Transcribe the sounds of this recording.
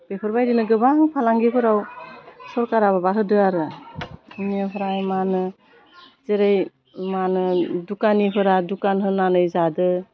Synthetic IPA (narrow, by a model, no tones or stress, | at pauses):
b̥epʰɯɾbajdinɯɡɯbaŋpʰalaŋɡibʰɯɾawsɔɾkaɾaβabaɦɯdɯaɾɯ | niɯɦɯɾajmanɯ | zeɾej | manɯdukaniɦɯɾadukanɦɯnanɯjzadɯ